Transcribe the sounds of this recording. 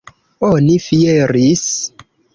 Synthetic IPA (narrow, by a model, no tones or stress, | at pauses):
onifieɾis